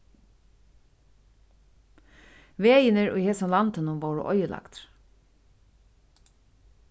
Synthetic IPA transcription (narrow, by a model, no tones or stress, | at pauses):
ʋeːjənəɹo̰iːheːsʊmlɑnt̪ʰənʊʋɑːɹo̰ʔɔʏəlɑ̰kt̪